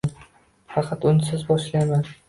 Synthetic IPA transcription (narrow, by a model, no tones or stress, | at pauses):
n | fɑqʰɑt̪ʊnɪsɪzbɒʃlajman